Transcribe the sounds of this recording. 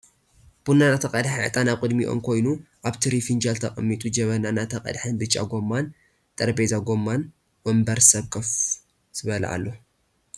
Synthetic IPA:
b̥unanat̪ʰɐqʼɐd̪ħʕɨt̪ʼanaβkʼɨd̪miʔo̞̰mkʰo̞jnuʔaβt̪ʰiɾifind͡ʒalt̪ʰɐχʼɐmːit̪ʼud͡ʒɐβɐnanat̪ʰɐqʼɐ̰d̪ħɨnbɨt͡ʃʼːa̰ɡo̞mːan | t̪ʼɐɾbezaɡo̞mːan | wɔmbɐɾsɐβkʼɐf | z̥ɨβɐlɐ̰a̰lːo̞

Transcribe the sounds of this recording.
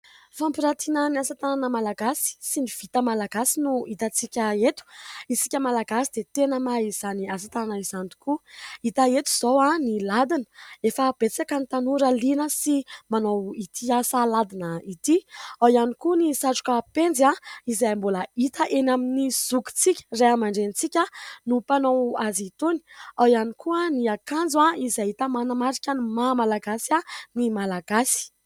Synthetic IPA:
fampiɾat̪inəniasat̪ananəmalaɡasi̥siniv̥it̪əmalaɡasinuit̪at͡sikʲəet̪u̥isi̥kʲəmalaɡasid̪et̪enəmaiz̥aniasat̪ananaizani̥kuit̪aet̪u̥z̥owanilad̪inə̥efəb̥et͡sakənit̪anuɾalinəsimanowit̪ʰiasalad̪inəit̪iawjanikunisaʈ͡ʂu̥kəpend͡zaizajmbolait̪əʔenaminiz̥uku̥t͡sikʲə̥reamaɳɖ͡ʐenit͡sikʲanupanowazit̪uni̥awjanikuaniakand͡zuaizajit̪əmanamaɾikʲanumamalaɡasanimalaɡasi̥

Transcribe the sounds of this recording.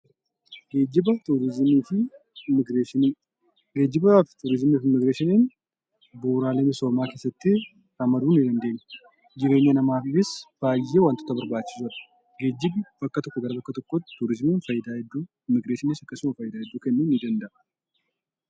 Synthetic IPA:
ɡ̥e̞ːd͡ʒːɪbɐt̪uːɾɪzmiːfɪ | ɪmːɪɡɾeːʃɪniː | ɡe̞ːd͡ʒːɪbɐft̪uɾɪzmiːfɪmːɪɡɾeːʃɪnin | buːɾaːlemɪso̞ːmaːke̞ːsːɐt̪ːɪ | ɐmɐd̪uːnɪd̪ɐnd̪e̞ːɲːɐ | d͡ʒɪɾe̞ːɲːɐnɐmaːfɪsb̥aːjːe̞ːwaːnt̪ɔ̥t̪ɐbɐɾbaːt͡ʃːɪ̥sʊɾɐ̥ | ɡe̞ːd͡ʒːɪbbɐkːɐt̪ɔkːɔɡɐɾɐbɐkːɐt̪ɔkːɔt̪uɾɪzmiːnfɐjːɪd̪aːhɛd̪ːuː | ɪmːɪɡɾeːʃɪnɪsɐkːɐsʊmɐfɐjɪd̪aːhɛd̪ːuːkɛnːunːɪd̪ɐnd̪ɐʔɐ̥

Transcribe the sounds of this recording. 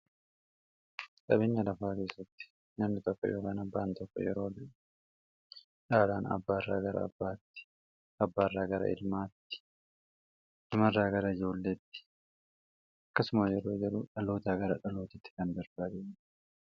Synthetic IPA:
kɐbeːɲːɐlɐfaːke̞ːsːɐt̪ːɪ̥ | nɐmnɪt̪ɔkːɔ̰jo̞ːkaːnɐbːaːnt̪ɔkːɔ̰jɛ̰ɾo̞ːd̪ | ᶑaːlaːnɐ̰bːaːrːa̰ːɡɐɾɐ̰ɐ̰bːaːt̪ːɪ̥ | ɐbːaːrːaːɡɐɾɐ̰ɪ̰lmaːt̪ːɪ̥ | nɐmɐrːaːɡɐɾɐɪd͡ʒo̞ːlːeːt̪ːɪ̥ | ɐkːɐsʊmɐjɛɾo̞ːd͡ʒɛɾṵᶑɐlo̞ːt̪aːɡɐɾɐᶑɐlo̞ːt̪ɪt̪ːɪ̥kɐnd̪ɐɾbad̪e

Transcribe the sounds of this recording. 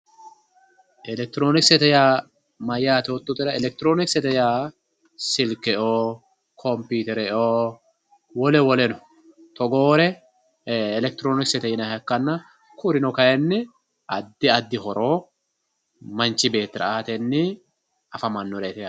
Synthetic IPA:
ʔɛlɛk̚t̪ɪɾo̞ːnɪksɛt̪ɛjaː | mɐjːaːt̪oːt̪ːʊt̪ʼɪɾɐɛlɛk̚t̪ɪɾo̞ːnɪksɛt̪ɛjaː | sɪlkːɛoː | kʰɔmpuːt̪ɛɾɛoː | wɔlɛwɔlɛnɔ | t̪ɔɡoːɾɛː | lɛk̚t̪ɪɾo̞ːnɪksɛt̪ɛjɪnɐhɐkːɐnːɐ | kʊɾɪnɔkɐjɛnːɪ | ɐd̪ːɪɐd̪ːɪhɔɾʔo̞ː | mɐnt͡ʃːɪbe̞ːt̪ːɪɾɐ̰aːt̪ɛnːɪ | ɐfɐmɐnːɔɾɛt̪ɛja

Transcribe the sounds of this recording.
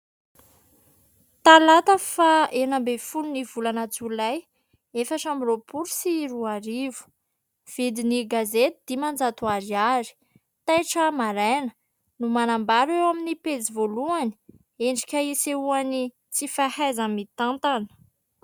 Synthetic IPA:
t̪alat̪əfaenambefulunivulanat͡sulaj | efaʈ͡ʂamiropuɾusiɾuaɾivu̥ | v̥id̪iniɡazet̪id̪̥imand͡zat̪uaɾiaɾi̥ | t̪ajʈ͡ʂəmaɾajnə̥ | numanambaɾewaminipet͡sivoluani̥ | eɳɖ͡ʐi̥kʲəiseuani | t͡sifahajzamit̪ant̪anə̥

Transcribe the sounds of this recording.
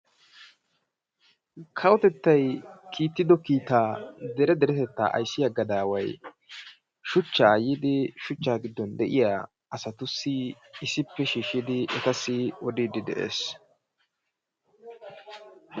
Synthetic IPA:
kʰɐwɔt̪ɛt̪ːɐjkʰiːt̪ːɪd̪ɔkiːt̪aːd̪ɛɾɛd̪ɛɾɛt̪ɛt̪ːa̰ːʔɐ̰jsːɪjaɡɐd̪aːwɐj | ʃʊt͡ʃːaːjiːd̪ɪʃʊt͡ʃːaːɡɪd̪ːɔnd̪ɛʔɪjaː | ɐsɐt̪ʊsːɪ | ɪsɪpːɛʃiːʃɪd̪ɪʔɛt̪ɐsːɪwɔd̪id̪ɪd̪ɛ̰ʔe̞̰ːs

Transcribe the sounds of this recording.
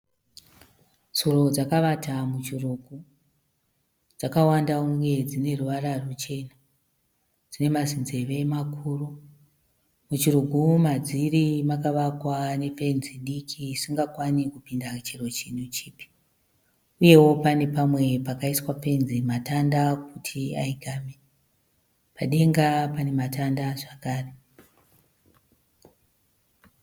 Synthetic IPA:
z̥oro̞d͡zakaʋatamut͡ʃiruɡʱu | d͡zakawandauŋɡe̞d͡zine̞ruʋararut͡ʃe̞na | d͡zine̞mazinze̞ʋemakʰuːru | mut͡ʃiruɡʱumad͡zirimakaʋakwane̞fe̞nziɗikʰisiŋɡakwanikupindat͡ʃero̞t͡ʃinut͡ʃiːpi̥ | uje̞wo̞pane̞pamwe̞pakaiswafe̞nzimatandak̚utʰiaiɡʱaːme | paɗe̞ŋɡapanematandaʐakaːre

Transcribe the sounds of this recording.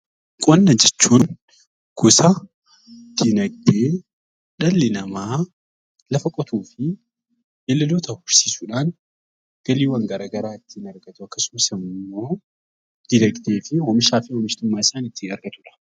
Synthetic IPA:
kʼɔnːɐd͡ʒɛt͡ʃːuːn | ɡ̥ʊsɐ | d̪̥inɐɡd̪eː | ᶑɐlːɪnɐmaː | lɐfɐkʼɔt̪ʰuːfɪ | elːɐloːt̪ɐhʊɾsiːsuːᶑaːn | ɡ̥ɐliːwɐŋɡɐɾaːɡɐɾaːɪt̪ːɪnɐɾɡɐt̪ʊɐkːɐsʊmɐsɪmːo̞ː | d̪̥ɪnɐɡd̪eːfɪhoːmɪʃaːfɪhoːmɪʃt̪ɪmːaːɪsaːnɪt̪ːɪɐɾɡɐt̪ʊᶑɐ̥

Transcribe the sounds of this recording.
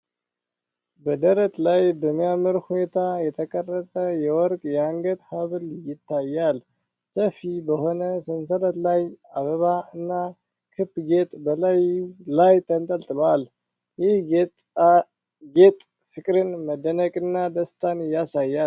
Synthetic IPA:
bəd̪əɾət̪ʼlajbəmːijamɨɾhune̞t̪ʰajɛt̪ʰəkʼərːət̪ʼəjɛwɔɾkʼjɛaŋɡət̪haβɨljɪt̪ʰːajːal | səfibəho̞nəsɨns̬ələt̪lajaβəβaɨnːa | kʰɨbɡe̞t̪ʼbəlajlajt̪ʰənt̪ʼəlt̪ʼɨlal | jɪh | ɡet̪ʼ | fɨkʼɾɨnməd̪ənəkʼɨnːad̪əst̪ʰanjasajːa

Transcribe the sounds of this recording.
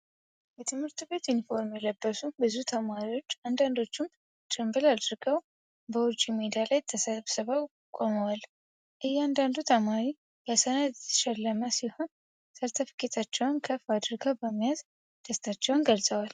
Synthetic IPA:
jɛt̪ʰɨmhɨɾt̪be̞t̪ɪnfo̞ɾmjɛləbːəsubɨzut̪ʰəmaɾiwo̞t͡ʃːand̪and̪o̞t͡ʃːɪm | t͡ʃ̪ʼɨmbɨlad̪ɨɾɡəw | bəwʊd͡ʒimed̪alajt̪ʰəsəβsɨβəw | kʼo̞məwal | ʔɨjːɛand̪and̪ut̪ʰəmaɾi | kəsənat̪ɛtt̪ʰːə̥ʃɛlːəməsiho̞n | səɾt̪ʰəfkʼet̪ʰat͡ʃːɛwnkʰəfad̪ɨɾɡəwbəmːijaz | d̪̥əst̪ʰat͡ʃːɛwnɡəlzʼəwal

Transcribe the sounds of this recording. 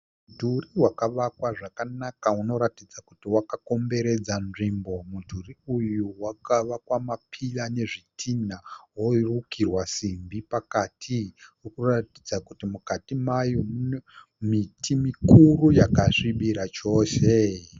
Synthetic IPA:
udʱuriwakaʋakwaʐakanakauno̞ɾatid͡zakutiwakako̞mbe̞ɾe̞d͡zanʐimbo̞mudʱuriujuwakaʋakwamapʰilane̞ʐitʰinaɦoirukirwasimbipakatʰiurikuratid͡zakutimukatimajomn | mitʰimikurujakaʂiɓiɾat͡ʃo̞ːse

